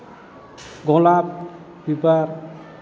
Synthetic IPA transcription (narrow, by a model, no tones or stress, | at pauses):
ɡɔlap̚ | bipaɾ